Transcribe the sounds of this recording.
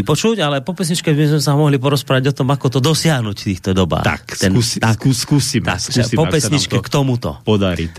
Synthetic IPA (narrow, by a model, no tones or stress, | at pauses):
ipɔt͡ʃuɟalɛpɔpɛsɲit͡ʃkɛzizmɛsamɔɦlipɔɾɔspɾaːʋaɟɔt̪ɔmakɔt̪ɔd̪ɔsɪaɦnuct̪iːxt̪ɔd̪ɔba̰ːt̪a̰xkt̪ɛnuakuskusima̰usipɔpɛsɲit͡ʃkɛkt̪ɔmut̪ɔ̰pɔd̪aɾḭt̪